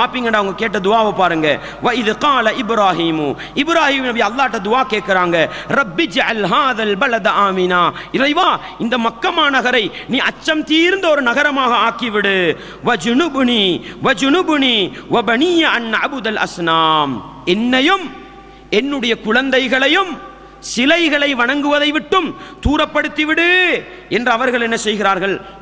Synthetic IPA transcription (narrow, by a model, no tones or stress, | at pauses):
paːpːiːŋɡɐɳɖaʊŋɡɐkeːʈ̬ːɐd̪ʊaːʋɐpːaːɾɯŋɡɐ | ʋɐɪðqɑːlɐʔɪbɾaːɦiːmʊ | ʔɪbɾaːhiːmnɐbiɐlːaːɪʈːɐd̪ʊaːkeːʈ̚kɪɾaːŋɡɐrɐbːid͡ʒʕɐlɦaːðɐlbɐlɐd̪ʔaːmɪnaːɪɾɐɪʋaː | ɪnd̪ɐmɐkːɐmaːnɐɣɐɾɐɪnĩːʔɐt͡ʃːɐmt̪iɪɾɯnd̪ɐɔɾɯnɐɣɐɾɐmaːɣɐaːkiʋɪɽɯ | ʋɐd͡ʒʊnʊbniːʋɐd͡ʒʊnʊbɯniːʋɐbɐniːjɐɐnːɐʕabʊd̪ɐlʔɐ̰snaːmɛnːɐjɯm | ɛnːɯɽɐjɐkʊɻɐnd̪ɐɪɣɐɭɐjɯm | sɪlɐɪɣɐɭɐɪʋɐɳɐŋɡɯʋɐðɐɪʋɪʈːɯmt̪uːɾɐpːɐɽɯt̪ːɪʋɪɽɯ | ʔɛndrɐʋɐɾɣɐɭɛnːɐsɛjɣɪɾaːɾɣɐɭ